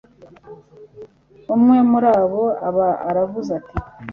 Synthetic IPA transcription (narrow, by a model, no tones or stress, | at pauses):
umŋe̞muɾaːβo̞aβaa̰ɾavuzatʰi